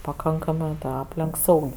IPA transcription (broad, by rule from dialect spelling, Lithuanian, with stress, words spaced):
pɐˈkɐŋkɐmɜ ˈɑːpʲlʲɛŋk ˈsɐʊkʲ